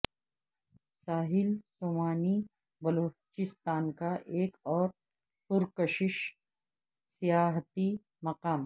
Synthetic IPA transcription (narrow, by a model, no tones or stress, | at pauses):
saːɦɪlsoːmaːni | bɐloːt͡ʃɪst̪aːnkaʔeːkɔːɾ | sʊɾkəʃɪʃ | sijaːɦt̪i | mɐqaːm